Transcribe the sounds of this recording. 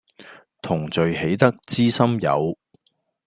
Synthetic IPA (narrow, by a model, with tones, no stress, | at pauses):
t̪ʰʊ˨˩ŋt͡sɵ˨ɥɦe˨˥jt̪ɐ˥k̚t͡siː˥sɐ˥mjɐ̰˨˧w